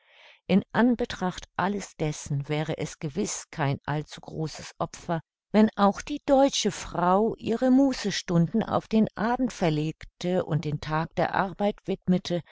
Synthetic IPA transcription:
ʔɪnʔanbətʁ̥aχtʔaləsd̥ɛsn̩vɛːʁ̞əʔɛsɡ̥əvɪskʰaɪnʔa̰lt͡suɡ̥ʁoːsə̥sʔɔpfɐ | vɛnʔaʊxd̥iːd̥ɔʏt͡ʃəfʁ̥aʊʔiːʁəmuːsəʃtʊndn̩a̰ʊfd̥eːnʔaːbm̩tfɛɐleːktʰəʔʊ̰nt̚d̥eːntʰaːk̚d̥eːɐʔa̰ʁbaɪtv̥ɪtmətʰə

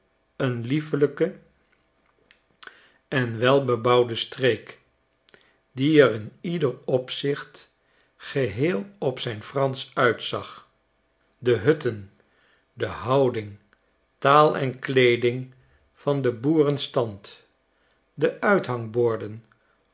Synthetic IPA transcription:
ənlifələkə | ɛnʋɛlˠbəbɑwdəstrejk | diɛrɪnidərɔpsɪχt | χəɦeːlˠɔpsɛjnfrɑnsœɥtsɑχ | dəɦɵtən | dəɦɑwdɪŋ | taːlˠɛ̰nklejdɪŋ | v̥ɑndəbuːrənstɑnt | dəʔœɥtɦɑŋbʊːɹdən

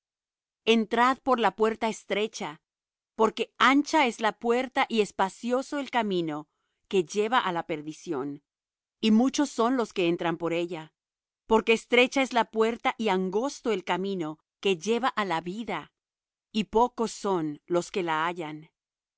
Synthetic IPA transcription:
e̞nt̪ɾaðpo̞ɾlapwe̞ɾt̪aest̪ɾe̞t͡ʃa | po̞ɾke̞ant͡ʃae̞zlapwe̞ɾt̪aʔie̞spasjo̞so̞e̞lkamĩno̞ | ke̞ʝe̞βaʔalape̞ɾðisjo̞n | imut͡ʃo̞sːo̞nlo̞ske̞ent̪ɾampo̞ɾe̞ʝa | po̞ɾke̞ːst̪ɾe̞t͡ʃae̞zlapwe̞ɾt̪aʔiaŋɡo̞st̪o̞e̞lkamĩno̞ | ke̞ʝe̞βaʔalaβiða | ipo̞ko̞sːo̞nlo̞ske̞laaʝan

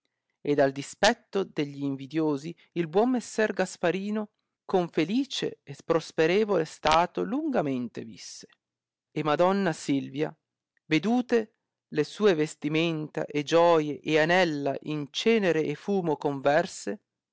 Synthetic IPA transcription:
ed̪ald̪ispɛt̪ːod̪eʎːiːɱvid̪joːzi | ilbwɔmːesːɛrɡaspaɾiːno | koɱfeliːt͡ʃḛːspɾospeɾeːvolest̪aːt̪oluŋɡament̪evisːe̥ | emad̪ɔnːasilvja̰ | ved̪uːt̪e | lesuːevest̪iment̪a̰ʔed͡ʒɔːjeʔeanɛlːa̰ʔint͡ʃɛːneɾeʔːfuːmokoɱvɛrse

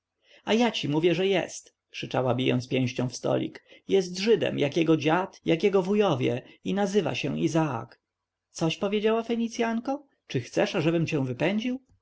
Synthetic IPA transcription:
ajat͡ɕimuvʲjɛʐɛjɛ̰st̪ | kʂɘt͡ʂa̰wabʲijɔ̰nspʲjɛ̃w̃ɕt͡ɕɔ̃w̃fst̪ɔ̰lʲḭkjɛst̪ʐɘd̪ɛ̰mjʔakjɛɡɔd͡ʑat̪jakjɛɡɔvujɔvʲjɛ̰inazɘva̰ɕɛ̰izaa̰k | t̪sɔɕpɔvʲjed͡ʑawafɛɲit̪sʲjaŋkɔ | t͡ʂɘxt̪sɛʂaʐɛbɘmt͡ɕɛ̃w̃vɘpɛɲd͡ʑiw

